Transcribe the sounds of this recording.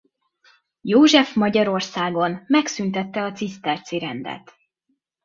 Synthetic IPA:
joːʒɛfmɒɟɒɾo̞rsaːɡo̞nmɛksynt̪ɛt̪ːɛɒt̪sist̪ɛrt̪siɾɛ̰nd̪ɛ̰t̪

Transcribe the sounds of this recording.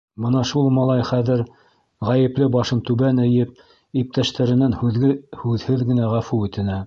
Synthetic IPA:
bɤnɑʃulˠmɑlˠɑjχæðɘɾ | ʁæjɘ̆plɘbɑʃɤnt̪ʉβænɘ̆jɘp̚ | ip̚t̪æʃt̪æɾɘ̆nænhʉðɘhʉðhɘðɡɘ̆næʁæfuɵ̆t̪ɘ̆næ

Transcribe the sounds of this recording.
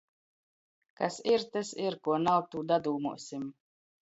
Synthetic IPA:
kasiɾt̪ɨsiɾkuɔnaw̚t̪uːd̪ad̪uːmṵɔsʲim

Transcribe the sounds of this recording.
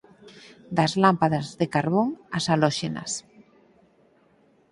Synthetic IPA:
d̪azlampaðazðekaɾβoŋasalɔʃena̰s

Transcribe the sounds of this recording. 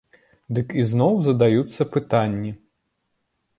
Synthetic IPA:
d̪ɨkiznɔwzɐd̪ajut̪sːɐpɨt̪anʲːi

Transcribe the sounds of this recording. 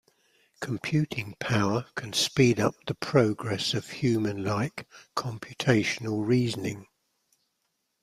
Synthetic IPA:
kʰə̃mpʰj̥ʉˑtʰɪ̃ŋpʰaʊəkʰə̃nspiːdʌ̰p̚ðəpʰɹ̥əʊɡɹɛsəv̥hjʉːmə̃nlaɪkʰɒ̃mpʰjʉtʰeɪʃənəlˠɹiːzənɪ̃ŋ

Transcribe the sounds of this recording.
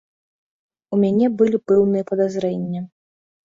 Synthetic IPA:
umʲanʲɛbɨlʲipɛwnɨjɛpɐd̪azɾɛnʲːɐ

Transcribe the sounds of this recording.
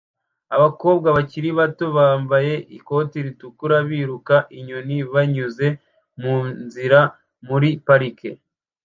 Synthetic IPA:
aβako̞ːbɡaβaciɾiβatoβaːmbaje̞ʔiko̞tiɾitukuɾaβiɾukaʔiɲoniβaɲuze̞ | munziɾa | muɾipaɾike

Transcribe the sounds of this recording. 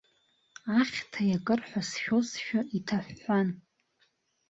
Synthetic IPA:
aχʲtʰajakʼɨrħʷᶣasʃᶣosʃᶣaitʰaħan

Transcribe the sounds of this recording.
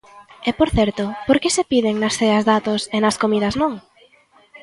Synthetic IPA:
epoɾθɛɾt̪ʊpoɾkɪsepiðɪŋnɐsθeɐzðat̪osenɐskomiðɐznõŋ

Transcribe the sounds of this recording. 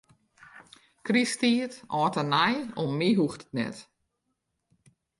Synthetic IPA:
kristitɔːtənajomːiɦuxtə̥tnɛ̰t

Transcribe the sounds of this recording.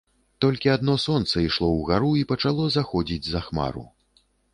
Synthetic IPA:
t̪ɔlʲkʲiad̪nɔsɔnt̪sɐiʂlˠɔwɣaɾuipɐt͡ʂalˠɔzaxɔd͡zʲid͡zʲzaxma̰ɾṵ

